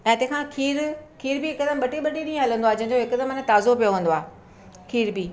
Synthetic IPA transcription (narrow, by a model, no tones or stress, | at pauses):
ɛ̃ːt̪ẽɦkʰãːkʰiːɾkʰiːɾbiɦɪkd̪əmɓɐʈiɓɐʈiɗĩːə̃ɦɐlə̃nd̪oaːed͡ʑɐ̃ɦɪ̃ɲd͡ʑoɦɪkd̪əmɪnt̪aːzopijoʋɐ̃ːn̆d̪oaː | kʰiːɾbiː